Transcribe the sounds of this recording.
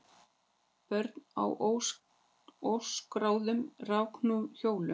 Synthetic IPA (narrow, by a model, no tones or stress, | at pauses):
pœɾt̪na̰wʔow | owskɾaːwðʏmrawkʰnuçoːwlʏ